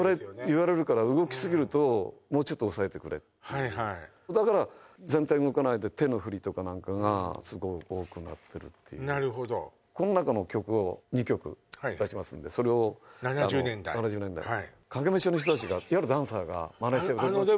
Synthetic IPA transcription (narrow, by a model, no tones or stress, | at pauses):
ɾeiβaɾe̞ɾɯ̟kaɾaɯ̟ɡo̞kʲi̥sɨɡʲiɾɯ̟t̪o̞mo̞ːt͡ɕo̞t̪ːoːsae̞t̪e̞kɯ̟ɾe̞̰t̪ːaiai | d̪akaɾazẽ̞nt̪aiɯokanaid̪e̞t̪e̞no̞ɸɯ̟ɾʲit̪o̞kanãŋkaɡa̰sɨɡo̞io̞ːkɯ̟na̰t̪ʰːe̞ɾɯ̟̰t̪ʰːe̞jɯ̰naɾɯɦod̪o | ko̞no̞nakano̞kʲo̞kɯ̟o̞ɲ̟ikʲo̞kɯ̟̰ad̪aɕimasɨ̰̃nd̪e̞so̞ɾe̞o̞nananːnẽnd̪a̰nanad͡ʑɨːnend̪a̰iai | kaɡe̞meɕonoç̬it̪ot̪at͡ɕiɡaihaɾɯ̟d̪ãɰ̃saɡa̰manait̪ebad̪e